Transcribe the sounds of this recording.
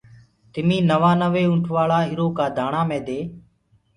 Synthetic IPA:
t̪ɪmĩːnəʋãːnəʋeːʊɳʈʰʋaːɭaːɦɪɾoːkaːd̪ʱaːɳaːmẽːd̪eː

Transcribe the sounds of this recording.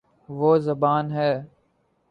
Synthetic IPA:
ʋoːzəbaːnɦɛː

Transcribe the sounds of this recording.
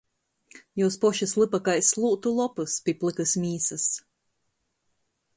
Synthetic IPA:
juːspɔʃɨslˠɨpakajslˠuːt̪ulˠɔpɨspʲiplˠɨkɨsmʲiːsɨs

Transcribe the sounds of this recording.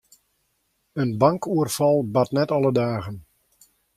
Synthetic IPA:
ənbaŋkuərfɑlˠbatnɛtɑlˠədaːɣən

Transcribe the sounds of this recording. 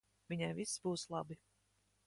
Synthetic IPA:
vʲiɲajvisbuːslˠɑbi

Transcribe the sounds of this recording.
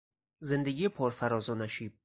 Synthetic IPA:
ze̞nd̪eɡʲijepʰɒɾfæɾɒːzonæʃiːb̚

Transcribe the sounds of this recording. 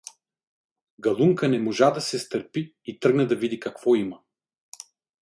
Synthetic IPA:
ɡɐlˠuŋkənɛmoʒad̪ɐsɛst̪əɾpiːt̪ɾɤɡnəd̪ɐvid̪ikɐkvɔimɐ

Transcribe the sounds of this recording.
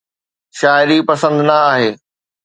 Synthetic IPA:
ʃaːɪɾipɐsə̃nd̪nɐaːɦeː

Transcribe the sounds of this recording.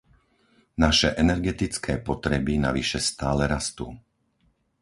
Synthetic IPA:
naʃɛʔɛnɛɾɡɛt̪it͡skʰɛːpɔt̪ɾɛbina̰ʋiʃɛst̪aːlɛɾast̪ṵː

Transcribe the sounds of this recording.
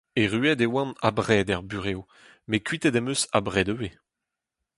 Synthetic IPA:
eʁyɛd̪ewɑ̃nabʁɛːd̪ɛʁbyʁeːo | mekɥit̪ɛd̪ɛmøsa̰bʁɛːd̪øve

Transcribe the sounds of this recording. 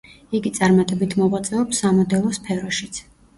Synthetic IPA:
iɡit̪sʼaɾmat̪ʼɛbit̪ʰmɔʁwat̪sʼɛɔpsamɔd̪ɛlˠɔspʰɛɾɔʃit̪sʰ

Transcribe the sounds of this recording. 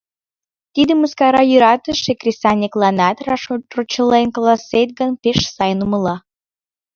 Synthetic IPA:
t̪id̪əmuskɑɾɑjyɾɑt̪əʃekrʲisɑnʲiklˠɑnɑt̪rɑrot͡ɕəlenklˠɑset̪̚ɡənpeʃsɑjənuməlɑ

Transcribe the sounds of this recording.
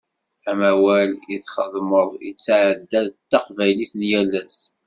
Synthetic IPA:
æmæwæliðχəðˤməðˤḭt͡sːʕəd̪ːæðt̪ːɑqvæjliθnjælːæs

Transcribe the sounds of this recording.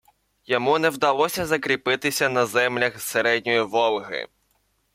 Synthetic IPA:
jɔmunɛwd̪ɐlˠɔsʲɐzɐkɾʲipɪt̪ɪsʲɐnɐzɛmlʲɐxseɾɛdʲnʲɔjiʋɔlˠɦɪ̰

